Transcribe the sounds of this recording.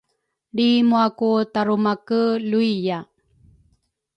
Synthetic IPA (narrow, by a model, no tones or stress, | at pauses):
ɭimuakutaɾumakəluija